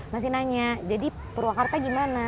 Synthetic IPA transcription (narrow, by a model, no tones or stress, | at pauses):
mas̬inaɲad͡ʒadi | pəɾuakart̪aɡimana